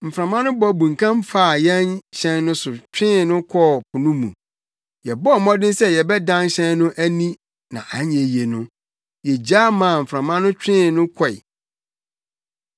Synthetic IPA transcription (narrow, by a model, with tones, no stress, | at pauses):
m̩˨fɾã˨mã˦nʊ̃˦bɔ˨bũ˨ŋkʰã˦m˦fa˦˨jɛ̃˦nɕɛ̃˦nːʊ̃˦sʊ˨t͡ɕᶣɪ̃˦nʊ̃˦kʰɔ˦pʰʊ˨nʊ̃˦mṵ̃˨ | jɛ˨bɔ˦˨mɔ̃˦dɪ̃˦sɛ˦jɛ˨bɛ˦dã˦n˦ɕɛ̃˦nːʊ̃˦ʔæ˦nĩ˦ | nã̰˨ʔã˨˦ɲɛ̃˨je˨nʊ̃˦ | jɛ˨d͡ʑa˦mã˨m̩˨fɾã˨mã˦nʊ̃˦t͡ɕᶣɪ̃˦˨nʊ̃˦kʰɔ˦˨ɪ̰˨